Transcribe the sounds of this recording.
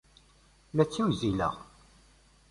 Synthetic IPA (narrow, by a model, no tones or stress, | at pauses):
læt͡sːiwzilə̰ʁ